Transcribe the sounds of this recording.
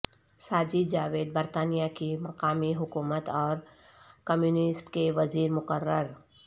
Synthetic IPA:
saːd͡ʒid͡ʒaːʋeːd̪̚bɐɾt̪aːnijakimɐqaːmiɦʊkuːmət̪ɔːɾ | kɐmjuːnɪsʈkeʋɐziːɾmʊqəɾːəɾ

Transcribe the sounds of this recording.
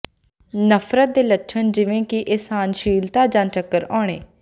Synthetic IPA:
nəpʰɾət̪̚d̪eːləʈːʃʰənd͡ʒɪʋẽːkiʔeːsaːnʃiːlt̪aːd͡ʒãːnt͡ʃəkːəɾɔ̃ːɽ̃eː

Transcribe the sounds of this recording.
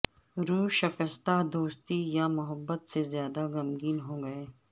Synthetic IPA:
ɾuːʃɐkəst̪ad̪oːst̪ijamʊɦəbːət̪sezjaːd̪aɡɐmɡiːnɦõːɡɐeː

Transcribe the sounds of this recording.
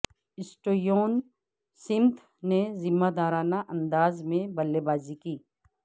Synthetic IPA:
ɪsʈoːjoːn | sɪ̃nt̪ʰ | nezɪmːad̪aːɾaːnaʔə̃nd̪aːzmẽbəlːebaːzikiː

